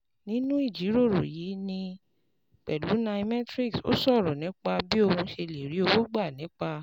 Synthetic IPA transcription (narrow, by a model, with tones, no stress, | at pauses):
nĩ˦nũ˦i˦˨d͡ʒi˨˦ɾo˦˨ɾo˨ji˨˦nĩ˧ | k͡pɛ˨lu˨˦na˧i˧mɛ˦tɾi˦˨kso̰˦sɔ˦˨ɾu˨nĩ˨˦k͡pa˧bi˦o˦˧hũ˧ʃe˧le˨ɾi˨˦o˧wo˦ɡ͡ba˦˨nĩ˨˦k͡pa˧